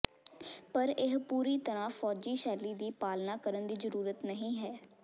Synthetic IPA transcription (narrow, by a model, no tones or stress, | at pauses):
pəɾɪɦpuːɾiːt̪əɾãːfʰɔːd͡ʒiːʃɛːliːd̪iːpaːlnaːkəɾənd̪iːzəɾuːɾət̪nəɦĩːɦɛː